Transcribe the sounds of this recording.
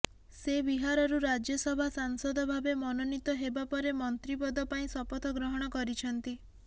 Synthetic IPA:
sebiɦaɾɔɾuɾad͡ʒjɔsɔbʱasaŋsɔd̪ʱɔbʱabemɔnɔnit̪ɔɦebapɔɾemɔnt̪ɾipɔd̪ɔpaĩsɔpɔt̪ʰɔɡɾɔɦɔɽ̃ɔkɔɾit͡ʃʰɔnt̪i

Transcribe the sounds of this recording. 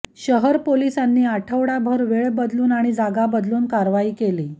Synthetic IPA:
ɕəɦəɾpolisanːiːaʈʰəʋɽabʱəɾʋeɭbəd̪luːnaɽ̃id͡zaɡabəd̪luːnkaɾʋaiːkeliː

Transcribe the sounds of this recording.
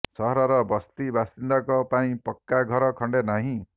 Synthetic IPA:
sɔɦɾɔɾɔbɔst̪ibasind̪akɔpaĩpɔkːaɡʱɔɾɔkʰɔɳɖenaɦĩ

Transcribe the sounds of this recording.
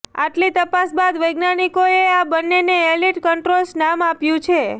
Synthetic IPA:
a̰ʈlit̪əpasbad̪ʋəjɡnanikoeabənːeneeliʈkəɳʈɾolsnamapjũt͡ʃʰe

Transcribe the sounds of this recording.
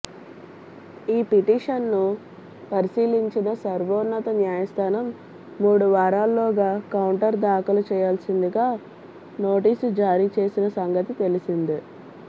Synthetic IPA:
iːpiʈiːʂɐnːu | pɐɾisiːliɲt͡ʃinɐsɐɾʋoːnːɐt̪ɐnjaːjɐst̪ʰaːnɐmː | uːɽuʋaːɾaːlːoːɡaːkɐwuɳʈɐɾd̪aːkɐlut͡ʃɛːjaːlsind̪iɡaː | noːʈiːsud͡ʒaːɾiːt͡ʃe̞ːsinɐsɐŋɡɐt̪it̪e̞lisind̪i

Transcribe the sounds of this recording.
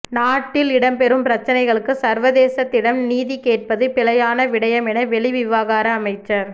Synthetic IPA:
naːʈːɪlɪɽɐmpɛɾɯmpɪɾɐt͡ʃːɐnɐɪɣɐɭɯkːɯsɐɾʋɐðeːsɐt̪ːɪɽɐmniːðikeːʈ̚pɐðɯpɪlɐjaːnɐʋɪɽɐjɐmɛnɐʋɛɭɪʋɪʋaːɣaːɾɐːmɐɪt͡ʃːɐɾ

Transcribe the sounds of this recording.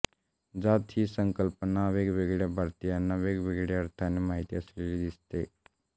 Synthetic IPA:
d͡zat̪ʰisəŋkəlpənaʋeɡʋeɡɭjabʱaɾt̪ijanaʋeːɡʋeɡɽjaəɾt̪ʰanemaɦit̪iəslelid̪ist̪e

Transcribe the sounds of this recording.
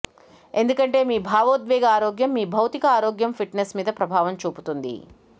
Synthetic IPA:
e̞nd̪ukɐɳʈe̞ːmiːbʱaːʋoːd̪ʋɛːɡɐaːɾoːɡjɐmːiːbʱɐwt̪ikɐaːɾoːɡjɐmpʰiʈnesmiːd̪ɐpɾɐbʱaːʋɐmt͡ʃuːput̪und̪ḭ

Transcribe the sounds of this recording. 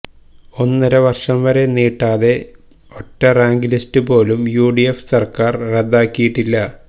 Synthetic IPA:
o̞nːɐɾɐʋɐrʂɐmʋɐɾe̞niːʈːaːðe̞ | o̞tːɐraːŋɡilistɨpo̞ːlumjuːɖiefsɐrkaːrred̪ːaːkːijiʈːilːɐ

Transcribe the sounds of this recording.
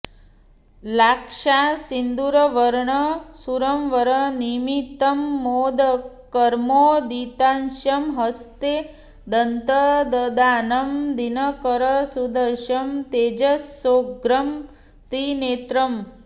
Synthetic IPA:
laːkʂaːsind̪uɾɐʋɐɾɳɐsuɾɐmʋɐɾənimit̪ɐmːoːd̪ɐ | kɐɾmoːd̪it̪anʃɐmɦɐst̪e | d̪ɐnt̪əd̪ɐd̪aːnɐmd̪inɐkəɾɐsud̪ɐʃɐmt̪eːd͡ʒɐsoːɡɾɐm | t̪ineːt̪ɾɐm

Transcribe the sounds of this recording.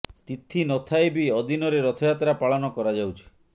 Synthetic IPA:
t̪it̪ʰinɔt̪ʰaebiɔd̪inɔɾeɾɔt̪ʰɔjat̪ɾapaɭɔnɔkɔɾad͡ʒawt͡ʃʰi̥

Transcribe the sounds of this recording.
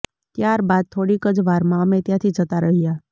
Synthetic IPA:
t̪jaːɾbaːd̪̚t̪ʰoːɽikəd͡ʒʋaɾmãmẽt̪jãt̪ʰid͡ʒət̪aɾəɦija

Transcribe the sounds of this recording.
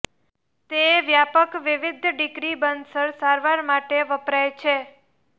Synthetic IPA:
t̪eʋjapəkʋɪʋɪd̪ʱɖɪkɾibənd̪səɾsaɾʋaɾmaʈeʋəpɾajt͡ʃʰe

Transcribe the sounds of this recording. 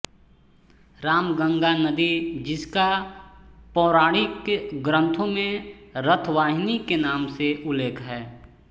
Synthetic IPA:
ɾaːmɡə̃ŋɡanɐd̪id͡ʒɪska | pɔːɾaːɽ̃ikɡɾə̃nt̪ʰõmẽɾət̪ʰʋaːɦɪnikenaːmseʔʊleːkʰɦɛː

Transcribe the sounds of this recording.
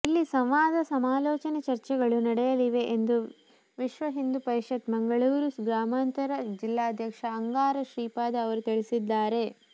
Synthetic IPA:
ilːisɐmʋaːd̪ɐsɐmaːlɔːt͡ʃɐnet͡ʃɐɾt͡ʃɛɡɐɭunɐɽɛjɐliʋe̞ʔend̪u | ʋiʃʋɐɦind̪upɐɾʃɐt̪mɐŋɡɐɭuːɾusɡɾaːmaːnt̪ɐɾɐd͡ʒilːaːɐd̪ʱjɐkʂɐːŋɡaːɾɐʃɾiːpaːd̪ɐɐʋɐɾut̪iɭisid̪ːaːɾe̞

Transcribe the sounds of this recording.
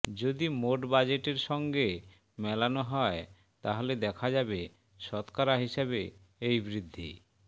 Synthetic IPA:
d͡ʑod̪imoʈbad͡ʑeʈeɾʃɔŋɡe | mɛlanoɦɔe | t̪aɦoled̪ɛkʰad͡ʑabe | ʃɔt̪kaɾaɦiʃebe | ejbɾid̪ʱːḭ

